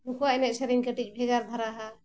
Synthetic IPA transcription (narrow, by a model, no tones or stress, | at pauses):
mukuaɛnɛʔ̚səɾiɲkəʈic̚ˀbʱɛɡaɾd̪ʱaɾaɦa